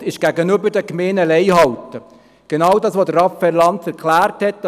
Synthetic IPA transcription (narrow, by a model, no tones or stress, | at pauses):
ɪʃɡ̥æɡənøbəɾdəkmeːnəlɛɪhɑwtə | ɡ̥enɑːwdɑːsʋod̪ərɑfɛlɑntæɾkʰlæːrthɛt̚d